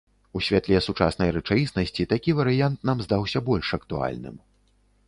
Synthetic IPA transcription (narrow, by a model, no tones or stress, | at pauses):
usʲvʲɛt̪lʲɛsut͡ʂa̰snɐjɾɛt͡ʂajʲisnɐsʲt͡sʲit̪akʲivɐɾɨjant̪̚namzd̪awsʲɐbɔlʲʂɐkt̪ua̰lʲnɨ̰m